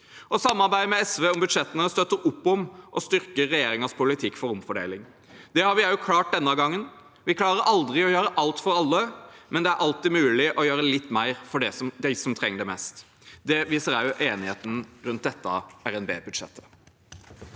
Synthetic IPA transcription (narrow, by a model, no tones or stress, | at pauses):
ʔɔsɑmːɑɾbæɪd̪əmɛɛsʋeːʊmbʉd̪ʂɛt̪ːənəst̪œt̪ːəɾʊpːɔmʔɔst̪ʏɾkəɾːɛjeːɾɪŋɑspʰʊlɪt̪ʰɪkːfɔɾʊmfɔɖḛːlɪŋ | d̪̥ɛhɑɾʋɪæɾjʊkʰlɑːʈ̚d̪ɛnːɑɡɑŋːən | ʋɪkʰlɑːɾəɾʔɑld̪ɾɪɔjøːɾəʔɑlt̪fɔɾɑlːəmʔɛnd̪ɛæɾʔɑlt̪ɪmʉːlɪʔɔjøːɾəlɪt̪ːmæɪɾfɔɖɛsɔmd̪æɪsɔmt̪ʰɾɛŋːəɖɛmɛst̪ | d̪ɛʋiːsəɾɑʉʔeːnɪheːt̪nɾʉnt̪̚d̪ɛt̪ːɑ̰æɾɛnbḛːbʉd̪ʂɛ̰t̪ʰːə̥